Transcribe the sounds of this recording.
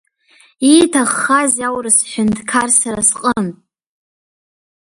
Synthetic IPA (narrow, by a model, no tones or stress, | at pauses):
itʰaχːazawrɨsʃʷᶣɪndkʰarsaɾasqʼənʼ